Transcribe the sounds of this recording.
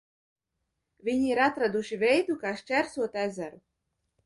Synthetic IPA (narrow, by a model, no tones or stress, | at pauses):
vʲiɲiiɾat̪ɾad̪uʃivʲɛjd̪ukaːʃt͡ʃʲæɾsuɔt̪æzæɾu